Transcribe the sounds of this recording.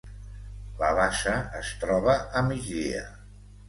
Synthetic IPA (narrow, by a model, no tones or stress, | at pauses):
ləβaʃəːst̪ɾɔβ̞əʔəmid͡ʒðḭə̰